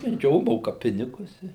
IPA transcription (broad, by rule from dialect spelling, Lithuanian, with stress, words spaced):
ˈjoː ˈmoːkɐ ˈpʲɪnʲɪɡʊs ˈɪ